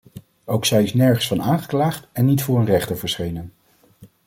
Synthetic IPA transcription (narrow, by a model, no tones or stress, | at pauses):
owksɛjɪsnɛɹχənsfɑnaːnχə̥klaːχtɛnːitfʊːɹənrɛχtəɹvəɹsχejnən